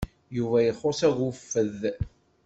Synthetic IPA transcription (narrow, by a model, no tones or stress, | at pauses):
juvæjəχːosæɣufːəð